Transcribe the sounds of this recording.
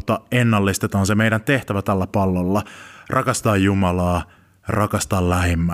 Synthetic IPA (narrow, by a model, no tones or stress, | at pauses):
t̪ːɑʔenːɑlːist̪et̪ɑːnsemejɾænt̪eht̪æʋæt̪ælːæpɑlːolːɑrʔɑkɑst̪ɑːjjumɑlɑː | ɑrʔɑkɑst̪ɑːllæhemːæ